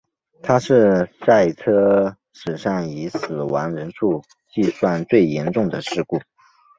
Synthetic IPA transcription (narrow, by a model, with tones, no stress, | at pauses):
t̪ʰa˥ʂɻ̩˥˧sa˥˩ɪt͡sʰɤ˥ | ʂɻ̩˨˩ʂɑ˥˩ŋi˧˥sɹ̩˨˩wa˧˥nɻə˧˥nʂu˥˧ | t͡ɕi˥˧swa˥˧nt͡swe˥˩ɪjɛ˧˥nʈ͡ʂʊ˥˩ŋd̪ə˩ʂɻ̩˥˧ku˥˩